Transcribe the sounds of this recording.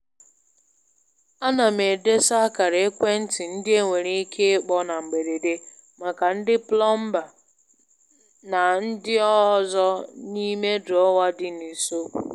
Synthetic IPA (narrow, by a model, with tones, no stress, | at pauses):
a˦na˨me˨de˦sa˦ka˨ɾe˨e˦kʷe˦n̩˦tɪ˨n̩˦dɪ˦e˦ŋʷe˨ɾe˦i˦kʰe˦k͡pɔ˦na˨ŋ͡m̩˨ɡ͡be˨de˨de˦ | ma˨ka˨n̩˦dɪ˦plɔ˦m̩˦ba˨ | na˨n̩˦dɪ˦ɔ˦zɔ˦ni˦me˦dɔ˦wa˦dɪ˦ni˨so˦